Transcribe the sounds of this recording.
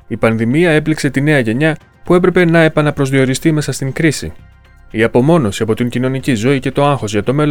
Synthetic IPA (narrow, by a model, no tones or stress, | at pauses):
ipɐnðimiɐe̞plikse̞t̪ine̞ɐʝe̞ɲɐ | pue̞p̬ɾe̞pe̞nɐe̞pɐnɐpɾo̞zðio̞ɾist̪ime̞sɐst̪iŋkɾisḭ | iɐpo̞mo̞no̞siɐpo̞t̪iɲcino̞nicizo̞ice̞t̪o̞ɐŋxo̞zʝɐt̪o̞me̞l